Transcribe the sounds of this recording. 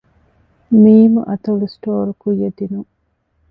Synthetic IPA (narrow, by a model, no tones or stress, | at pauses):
miːmuʔɐt̪ɐlusʈoːɾukujːed̪inuŋ